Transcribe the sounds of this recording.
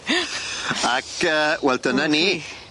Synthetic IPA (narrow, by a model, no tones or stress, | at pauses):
akəwɛldənaniː